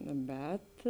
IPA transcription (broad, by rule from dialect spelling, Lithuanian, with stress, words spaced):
ˈbʲɛt